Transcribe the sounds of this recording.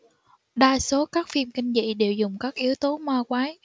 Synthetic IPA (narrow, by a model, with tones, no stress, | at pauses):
ɗaː˧jso˨˦kaː˦˥k̚fi˧mkï˧ŋ̟zḭ˧˨ɗe˨˩wzʊ˨˩ŋ͡mkaː˦˥k̚ʔi˨˦əwt̪o˨˦maː˧kwaː˨˦j